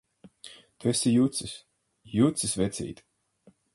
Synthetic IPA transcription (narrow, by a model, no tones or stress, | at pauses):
t̪ɛsʲijut̪sis | jut̪sisvɛt̪sʲḭːt̪